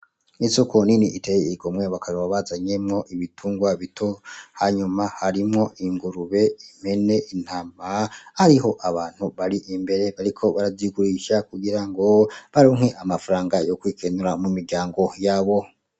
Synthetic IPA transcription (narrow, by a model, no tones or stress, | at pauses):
isokoniniʔitejeiɡo̞mweβakaɾoβaβazaɲemŋo̞ʔiβitʰuːŋɡwaβitʰo̞haɲumahaɾimŋo̞ʔiŋɡuɾuβe̞im̥e̞ne̞ʔin̥hamahaɾiɦo̞ʔaβaːn̥huβaɾiʔimbe̞ɾe̞βaɾikʰo̞βaɾaiɡuɾiʃakuɡiɾaŋɡo̞βaɾoːŋheʔamafaɾaːŋɡajokwiːkenuɾamumiɾɟaːŋɡo̞jaːβo̞